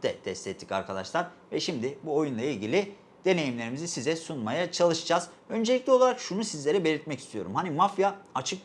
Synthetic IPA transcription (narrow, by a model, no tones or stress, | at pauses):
d̪ɛt̪ʰɛst̪ʲɛt̪ʰːi̥ca̰ɾkʰad̪a̰ʃlˠaɾ | vɛʃimd̪ɪbuo̞junlˠailʲɟʲilʲi | d̪̥e̞ne̞jimlʲe̞ɾimizisizɛsunmajat͡ʃʰalˠɯʃɯd͡ʒaz | ø̞nd͡ʒe̞lʲiclʲio̞lˠaɾakʃunusizlʲe̞ɾɛbe̞lʲiɾt̪̚mɛci̥st̪ʰijo̞̰ɾumhanimafjaat͡ʃʰɯk̚